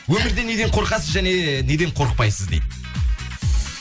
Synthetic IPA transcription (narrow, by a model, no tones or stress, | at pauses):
wɵmɪɾd̪e̞ne̞d̪e̞ɴqʰo̞ɾqɑsəzʒæne̞ne̞d̪e̞ɴqʰo̞ɾəq̚pɑjsəzd̪ejd̪ɪ